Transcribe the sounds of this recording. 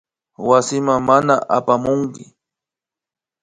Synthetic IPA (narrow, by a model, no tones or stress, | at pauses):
wasɪmaŋmanaʔapamʊŋkɪ